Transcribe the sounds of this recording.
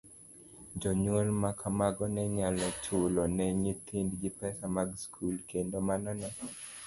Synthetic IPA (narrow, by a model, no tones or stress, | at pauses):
d͡ʒɔɲwolmakʰamaɡɔnɛɲalɔt͡ʃʊlɔnɛɲɪt̪ʰɪndɡɪpɛsamaɡskʰulkendomanɔnɛ